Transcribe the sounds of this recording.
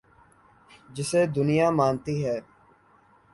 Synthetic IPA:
d͡ʒɪseːd̪ʊnɪjaːmãːnt̪iːɦɛː

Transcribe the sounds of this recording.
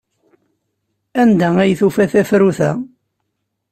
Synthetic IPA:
ænd̪ææjθufæθæθɾuθæ̰

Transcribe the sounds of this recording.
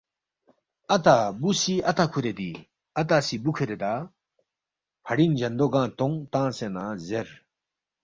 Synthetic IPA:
ɐt̪̬abusiɐt̪akʰuɾed̪i | ɐt̪asibukʰɯɾed̪a | pʰɐɽind͡ʑɐnd̪oɡãt̪ɔŋt̪ãsẽnãzeɾ

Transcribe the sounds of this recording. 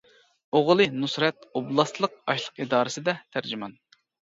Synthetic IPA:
oʁlˠɨnusɾɛt̪oblˠɑslˠəq̚ɑʃlˠəqid̪ɑːɾɨsɨd̪ɛt̪ʰæɾd͡ʒɪmɑn

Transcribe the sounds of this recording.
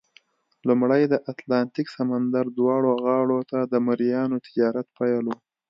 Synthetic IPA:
lumɽajd̪əʔat̪lɑnt̪iksamand̪aɾd̪wɑɽoɣɑɽot̪ad̪əmaɾijɑnot̪ɪ̥d͡ʒɑɾat̪pajalo

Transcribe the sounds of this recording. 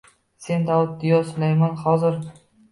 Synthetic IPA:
se̞nd̪awʊt̪̚d̪ɪjɒsʊlajmɒnhɒzɪɾ

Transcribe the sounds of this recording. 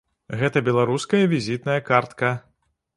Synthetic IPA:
ɣɛt̪ɐbʲɛlˠaɾuskɐjɐvʲizʲit̪nɐjɐkart̪kɐ

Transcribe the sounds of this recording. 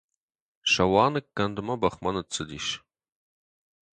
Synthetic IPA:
ʃɐwɑːnɨkːɐndɨmɐbɐχmɐnɨt͡sʰʼɨd̪ḭːʃ

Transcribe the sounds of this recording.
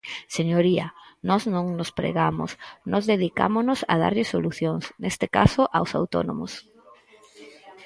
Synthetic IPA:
seɲoɾiɐnɔznõŋnʊspɾḛɣamo̰snozðeðika̰monʊsa̰ð̞a̰ɾʎɪsoluθjoŋsnest̪ɪka̰soʔawsawt̪o̰no̰mʊs

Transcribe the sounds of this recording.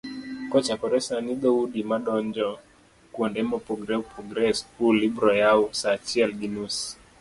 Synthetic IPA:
kɔt͡ʃakɔɾɛsaniɗɔuɗimaɗɔɲd͡ʒɔ | kuɔndɛmɔpɔɡɾɛpɔɡɾɛskulibɾɔjausat͡ʃiɛlɡinus

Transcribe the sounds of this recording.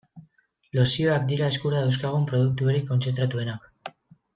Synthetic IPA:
lo̞sio̞akd̪iɾae̞skuɾaðawskaɣ̞umpɾo̞ð̞uk̚t̪uo̞ɾiko̞nt͡se̞nt̪ɾat̪ue̞nak

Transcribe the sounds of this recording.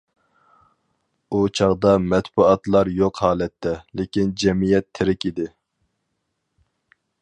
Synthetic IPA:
ut͡ʃʰɑʁd̪ɑmɛt̪buɑt̪lˠɑɾjoqhɑːlɛt̪ʰːɛlɪkʲind͡ʒɛmijɛt̪ʰːɪɾɪkʲid̪ɪ

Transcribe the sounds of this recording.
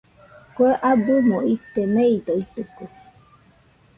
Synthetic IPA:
kʷeʔabumoit̪emeid̪oit̪ɯko

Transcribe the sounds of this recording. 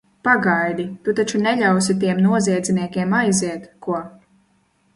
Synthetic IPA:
paɡajd̪it̪ut̪at͡ʃunɛʎʲawsit̪̬iɛmnuɔziɛd̪ziniɛkʲiɛmajziɛt̪kuɔ

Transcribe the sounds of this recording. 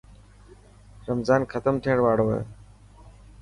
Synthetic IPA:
ɾəmzaːnkʰət̪əmʈ̪ʰẽːɽʋaːɽoːɦḛː

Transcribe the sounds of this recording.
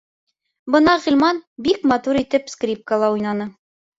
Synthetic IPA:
bɤnɑʁilʲmɑnbikmɑt̪uɾit̪ɘpskrʲip̚kəlˠɑujnɑnɤ

